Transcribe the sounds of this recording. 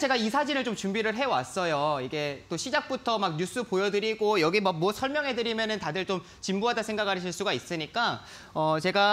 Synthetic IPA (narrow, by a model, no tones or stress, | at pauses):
t͡ɕe̞ɡaisʰad͡ʑinɯɭt͡ɕomt͡ɕumbiɾɯɭɦe̞wa̰s͈ʌjoiɡe̞t͈oɕʰid͡ʑak̚p͈utʰʌmak̚ɲus͈upojʌdɯɾiɡojʌɡimak̚muʌsʰʌɭmjʌŋɦe̞dɯɾimjʌnɯntadɯɭt͡ɕom | t͡ɕimbuɦadasʰe̞ŋɡakʰaɕʰiɭs͈uɡais͈ɯɲik͈a | ʌt͡ɕe̞ɡa